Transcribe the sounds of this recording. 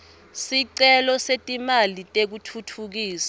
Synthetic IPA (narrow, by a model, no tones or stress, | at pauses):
siǀɛlɔsetʼimalitʼek̬utʰutʰuk̬iːsḁ